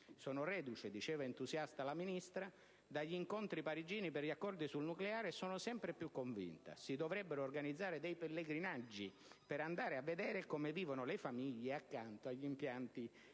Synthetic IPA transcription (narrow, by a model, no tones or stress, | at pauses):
sɔːnʊrɛːd̪ut͡ʃed̪it͡ʃɛːvaent̪uzjast̪alaminist̪ɾa | d̪aʎːiŋkont̪ɾipaɾid͡ʒiːnipɪrʎakːɔrd̪isulnukleaːɾesɔːnʊsɛmpɾepjukːoɱvḭnt̪a̰sid̪ovɾɛbːeɾoːrɡanid̪zːaːɾɪd̪ɛjpelːeɡɾinad͡ʒːi | peɾand̪aːɾɪavːed̪ɛːɾekɔmeviːvonʊlefamiʎːeakːant̪oaʎːimpjant̪i